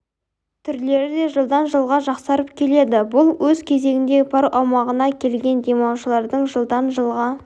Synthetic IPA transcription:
t̪ʰʏɾle̞ɾɪd̪e̞ʒəlˠd̪ɑnʒəlˠʁɑʒɑqsɑɾəpkʲʰe̞le̞d̪ɪbʊlˠwɵzkʲʰe̞ze̞ɡʲɪnd̪e̞pʰɑɾʔɑwmɑʁənɑkʲʰe̞lɡʲe̞nd̪e̞mɑwʃəlˠɑɾd̪əɴʒəlˠd̪ɑnʒəlˠʁɑ

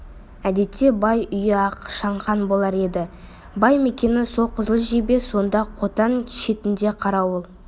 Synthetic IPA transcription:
æd̪e̞t̪ːe̞bɑjʏjɪɑqʃɑɴqɑnbo̞lˠɑɾe̞d̪ɪ | bɑjme̞kʲe̞nɪso̞lˠqʰəzəlˠəʒebe̞so̞nd̪ɑqʰo̞t̪ɑnʃe̞t̪ɪnd̪e̞qʰɑɾɑwolˠ

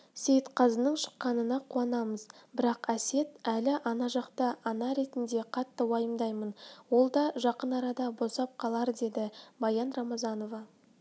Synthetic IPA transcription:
se̞jt̪qʰɑzənəɴʃə̥qːɑnənɑqʰuɑnɑməzbɪɾɑqæse̞t̪ælɪʔɑnɑʒɑqt̪əɑnɑɾe̞t̪ɪnd̪e̞qʰɑt̪ːəwɑjəmd̪ɑjmənwo̞lˠd̪ɑʒɑqənɑɾɑd̪ɑbo̞sɑp̚qʰɑlˠɑɾd̪e̞d̪ɪbɑjɑnrɑmɑzɑno̞vɑ

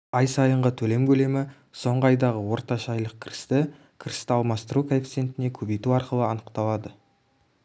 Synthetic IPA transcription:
ɑjsɑjəɴʁət̪ʰɵle̞mkʲʰɵle̞mɪ | so̞ɴʁəɑjd̪ɑʁəwo̞ɾt̪ɑʃɑɑjlˠəq̚kʲʰɪɾɪst̪ɪ | kʲʰɪɾɪst̪ɪɑlˠmɑst̪əɾukʰaift̪sie̞nt̪ɪne̞kʲʰɵbejt̪uɑɾqəlˠəɑnəqt̪ɑlˠɑd̪ə

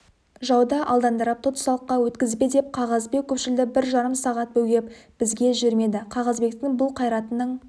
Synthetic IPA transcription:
ʒɑwd̪ɑʔɑlˠd̪ɑnd̪əɾɑp̚t̪ʰot̪sɑlˠəqːɑwɵt̪kʲɪzbe̞d̪e̞p̚qʰɑʁɑzbe̞k̚kʲʰɵpʃɪld̪ɪbɪɾʒɑɾəmsɑʁɑt̪̚bɵɡʲe̞pb̥ɪzɡʲe̞ʒʏɾme̞d̪ɪqʰɑʁɑzbe̞kʲt̪ːɪŋbʊlˠqʰɑjɾɑt̪ənəɴ

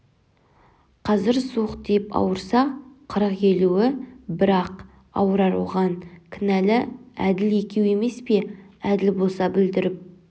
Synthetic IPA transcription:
qʰɑzɪɾsuqd̪epɑ̰wəɾsɑqʰəɾəqje̞luwɪbɪɾɑq | ɑ̰wəɾɑɾṵʁɑŋkʲʰɪnælɪæd̪ɪle̞kʲewe̞me̞spe̞æd̪ɪlbo̞lˠsɑbɪld̪ɪɾɪp̚

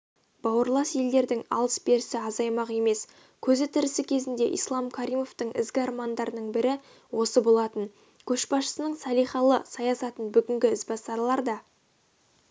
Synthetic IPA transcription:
b̥ɑwəɾlˠɑsje̞ld̪e̞ɾd̪ɪŋɑ̰lˠəsbe̞ɾɪsɪɑzɑjmɑqe̞me̞s | kʲʰɵzɪt̪ʰɪɾɪsɪkʲʰe̞zɪnd̪e̞̰ʔḭjslˠɑmkʲʰaɾʲijmo̞ft̪əɴɪ̰zɡʲɪɑɾmɑnd̪ɑɾənəɴbɪɾɪ | wo̞səbo̞lˠɑt̪ən | kʲʰɵʃbɑsʃə̥sənəɴsɑlijχɑlˠəsɑjɑsɑt̪ənbʏɡʲɪŋɡʲɪɪzbɑsɑɾlˠɑɾd̪ɑ

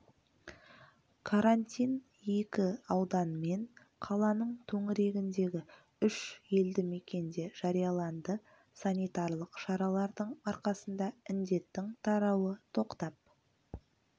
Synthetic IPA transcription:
kʰaɾanʲt̪ʲijn | je̞kʲɪɑwd̪ɑnme̞n | qʰɑlˠɑnəɴt̪ʰɵŋɪɾe̞ɡʲɪnd̪e̞ɡʲɪ | ʏʃje̞ld̪ɪme̞kʲe̞nd̪e̞ʒ̥ɑɾijɑlˠɑnd̪ə | sanʲijt̪ɑɾlˠəqʃɑɾɑlˠɑɾd̪əɴɑɾqɑsənd̪ɑɪnd̪e̞t̪ːɪŋt̪ʰɑɾɑwət̪ʰo̞qt̪ɑp̚

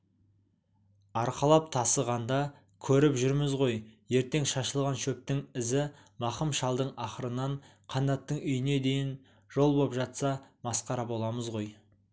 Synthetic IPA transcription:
ɑɾqɑlˠɑp̚t̪ʰɑsəʁɑnd̪ɑ | kʲʰɵɾɪpʒʏɾmɪzʁo̞jje̞ɾt̪e̞ŋʃɑʃəlˠʁɑnʃɵp̚t̪ɪŋɪzɪ | mɑχəmʃɑlˠd̪əɴɑχəɾənːɑɴ | qʰɑnd̪ɑt̪ːəɴʏjɪne̞d̪ejɪn | ʒ̥o̞lˠbopʒɑt̪sɑmɑsqɑɾɑbo̞lˠɑməzʁo̞j

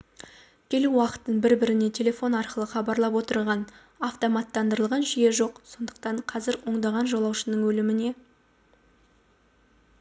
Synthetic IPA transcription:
kʲʰe̞luwɑqə̥t̪ːəɴbɪɾbɪɾɪne̞t̪ʲʰe̞le̞fo̞nɑɾqəlˠəχɑbɑɾlˠɑp̬wo̞t̪əɾʁɑn | ɑft̪o̞mɑt̪ːɑnd̪əɾəlˠʁɑnʒije̞ʒo̞qso̞nd̪əqt̪ɑɴqʰɑzɪɾwo̞ɴd̪ɑʁɑnʒo̞lˠɑwʃənəɴwɵlɪmɪne̞

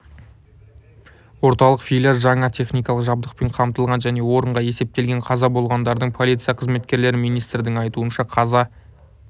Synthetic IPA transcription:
wo̞ɾt̪ɑlˠəqfijlʲasʒɑɴɑt̪ʲʰe̞χnijkɑlˠəqʒɑb̚d̪əq̚pe̞ɴqʰɑmt̪əlˠʁɑnʒæne̞wo̞ɾəɴʁɑje̞se̞p̚t̪e̞lɡʲe̞ɴqʰɑzɑbo̞lˠʁɑnd̪ɑɾd̪əɴpʰo̞lʲijt̪sɨjɑqʰəzme̞t̪kʲe̞ɾle̞ɾɪmijnijst̪ɾd̪ɪŋɑjt̪uənʃɑqʰɑzɑ

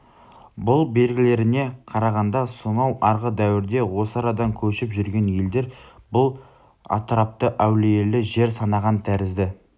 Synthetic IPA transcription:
bʊlˠbe̞lɡʲɪle̞ɾɪne̞qʰɑɾɑʁɑnd̪ɑsonɑwʔɑɾʁəd̪æwɪɾd̪e̞wo̞səɑɾɑd̪ɑŋkʲʰɵʃɪpʒʏɾɡʲe̞nje̞ld̪e̞ɾbʊlˠ | ɑ̰t̪ɾɑp̚t̪əʔæwlejelɪʒe̞ɾsɑnɑʁɑnt̪ʰæɾɪzd̪ɪ

